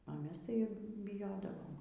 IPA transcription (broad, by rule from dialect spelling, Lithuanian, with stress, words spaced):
oː ˈmʲɛs ˈtɐɪ bʲɪˈjoːdɐʋoːm